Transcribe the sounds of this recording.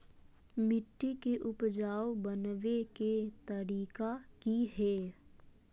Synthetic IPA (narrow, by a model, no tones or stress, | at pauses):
mɪʈːikeʔʊpd͡ʒaːwbənʋeket̪ɐɾiːkakiɦɛː